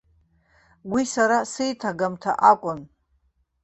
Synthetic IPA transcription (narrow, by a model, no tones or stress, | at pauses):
wisaɾasejtʰaɡamtʰa̰ʔakʷʼʊn